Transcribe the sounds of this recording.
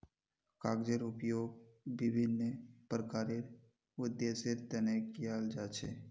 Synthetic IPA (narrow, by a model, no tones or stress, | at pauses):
kaɡd͡ʒəɾʊpjoɡ̚ʋibʱinːəpɾəkaɾeɾ | ʊd̪jeseɾt̪ənekjald͡ʒat͡ʃʰḛ